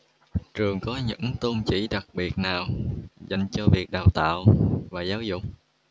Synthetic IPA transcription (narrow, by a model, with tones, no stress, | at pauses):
t͡ɕɨ˨˩əŋkɔ˨˦ɲɨ̰˧˥ŋt̪o˧nt͡ɕḭ˧˩˥ɗa˨˩k̚ɓi˨˩ət̚naː˨˩wza˨˩jŋ̟t͡ɕɔ˧vi˨˩ək̚ɗaː˨˩wt̪a̰ː˧˨wvaː˨˩zaː˨˦wzʊ̰˧˨k͡p̚